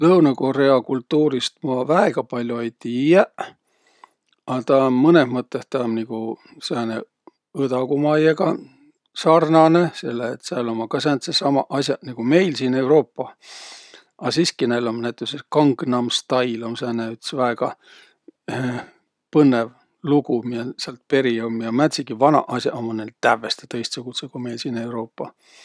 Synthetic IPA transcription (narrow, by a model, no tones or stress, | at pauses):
lɤwnɑko̞re̞ɑkult̪ːuːɾist̪̚mɑvæeɡ̥ɑpɑlʲjoejt̪ijæʔ | ɑt̪ɑmɤneɦmɤt̪ːˑest̪ɑmniɡ̥u | sæːne | ɯt̪ɑkumɑjeɡɑ | sɑrnɑnese̞lːeːt̪sælomːɑkɑsænt̪sesɑmɑʔɑsʲjɑniɡ̥ume̞jlsiːne̞wɾo̞ːpːɑ | ɑsiskinejlomnæt̪ːˑepsekɑŋɡnɑmst̪ɑjlomsæːneyt̪svæeɡ̥ɑ | pɤnːev | luɡumijɑseɑlt̪̚pe̞ɾiomjɑmæt̪ʲsikivɑnɑ̰ʔɑsʲjɑʔomːɑnelt̪ævːest̪e̥t̪ɤjst̪sekut̪sekume̞jlsiːne̞wɾo̞ːpːɑ